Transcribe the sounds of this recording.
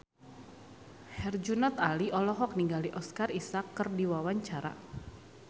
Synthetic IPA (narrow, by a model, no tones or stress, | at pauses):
hɛrd͡ʒunɔt̪aliʔɔlɔɦɔk̚niŋɡaliʔɔskarisakːərdiwawaɲt͡ʃaɾa̰